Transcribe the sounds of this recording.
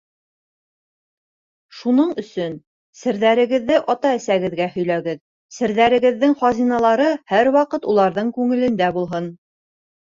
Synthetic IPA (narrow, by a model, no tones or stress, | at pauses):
ʃunɤɴɵ̆sɵn | sɘ̆ɾðæɾɘ̆ɡɘ̆ðːɘʔɑt̪ɑæsæɡɘ̆ðɡæhɵ̆jlæɡɘð | sɘ̆ɾðæɾɘ̆ɡɘ̆ðːɘŋχɑzinɑlˠɑɾɤhæɾwɑqɤt̪ulˠɑɾðɤɴkʉŋɘ̆lɘ̆nd̪æbulˠɦɤn